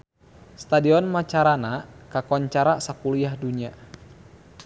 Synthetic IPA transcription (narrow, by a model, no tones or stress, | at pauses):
st̪adiɔnmat͡ʃaɾanakakɔɲt͡ʃaɾasakuliahduɲia